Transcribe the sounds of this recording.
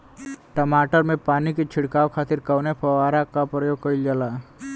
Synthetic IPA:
ʈəmaːʈəɾmẽpaːnikit͡ʃʰɪɽkaːokʰaːt̪ɪɾkəwnepʰɐʋaːɾakapɾəjoːɡ̚kəild͡ʒala

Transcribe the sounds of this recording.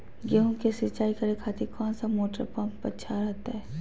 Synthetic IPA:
ɡeɦũkesɪt͡ʃaːikɐɾekʰaːt̪ekɔːnsamoːʈəɾpãmpɐʃʰaɾɛɦt̪aɦɛː

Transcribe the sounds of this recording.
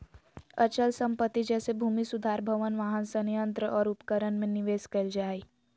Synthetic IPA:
ɐt͡ʃəlsɐ̃mpət̪ːid͡ʒɛːsebʱuːmisʊd̪ʱaːɾbʱəʋənʋaːɦənsənjə̃nt̪ɾəʔɔːɾʊpkəɾənmẽnɪʋeːskɐld͡ʒaːi

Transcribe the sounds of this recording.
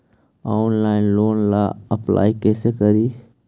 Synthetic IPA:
anlaːɪnloːnlaəpla̰ːikeːsekəɾiː

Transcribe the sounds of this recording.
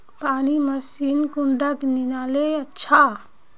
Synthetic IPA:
paːniməsinkuɳɖəkninaːleətːʃʰa

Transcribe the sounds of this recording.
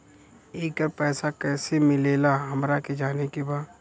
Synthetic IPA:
eːkəɾpɛːsakɛːsemɪleːlaɦɐmɾaked͡ʒaːnekibaː

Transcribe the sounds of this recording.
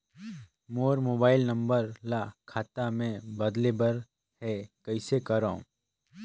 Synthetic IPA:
moːɾmoːbaːɪlnɐ̃mbəɾlaːkʰaːt̪amẽbɐd̪lebɐɾ | hɛkɐɪsekɐɾaõ̰

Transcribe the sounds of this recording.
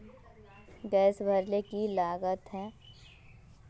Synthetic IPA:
ɡɛːsbʱəɾlekilaːɡət̪ɦɛ̃ː

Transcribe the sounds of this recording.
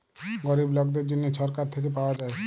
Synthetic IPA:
ɡɔɾiblɔɡd̪eɾd͡ʑonːeʃʰɔɾkaɾt̪ʰek̬ep̬aoad͡ʑae

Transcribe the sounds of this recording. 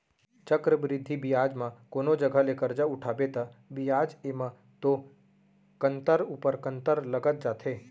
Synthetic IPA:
t͡ʃəkɾəbɾɪd̪ʱːibɪjaːd͡ʒmãkoːnod͡ʒəɡʱəlekəɾd͡ʒaʊʈʰaːbet̪abɪjaːd͡ʒemã | t̪o | kə̃nt̪əɾuːpəɾkə̃nt̪əɾləɡət̪̚d͡ʒaːt̪ʰeː

